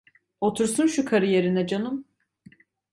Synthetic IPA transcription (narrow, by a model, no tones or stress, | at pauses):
o̞t̪ʰuɾsunʃukʰaɾɯjeɾinɛd͡ʒanɯm